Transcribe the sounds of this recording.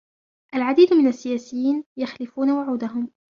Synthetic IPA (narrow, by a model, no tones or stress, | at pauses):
ʔalʕad̪iːd̪mɪnasːɪjaːsɪjːiːnjaxlɪfuːnawʊʕuːd̪aɦʊm